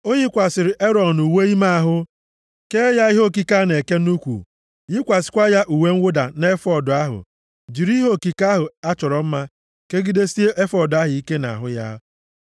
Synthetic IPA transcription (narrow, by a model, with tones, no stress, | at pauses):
o˦ɲi˦kʷa˨sɪ˨ɾɪ˨ʔe˦ɾɔ˨n˨u˨we˦i˦ma˦a˨ɦʊ˦ | ke˦ja˦i˦ɦo˦˨ki˦ka˦ne˨ke˦nu˦kʷṵ˨ | jɪ˦kʷa˨sɪ̥˨kʷa˦ja˦ʔu˨we˦ŋ̩˦wʊ˦da̰˨ne˦fɔ˨dʊ˨a˦ɦʊ̰˨ | d͡ʒi˨ɾi˦ɦo˦˨ki˨ka˦ɦʊ˨a˦t͡ʃɔ˨ɾɔ˨m̩˦ma˦ | ke˦ɡi˦de˦si˦e˦ʔe˦fɔ˦˨dʊ˨a˦ɦʊ˨i˦ke˦na̰˨ɦʊ̰˦ja̰˦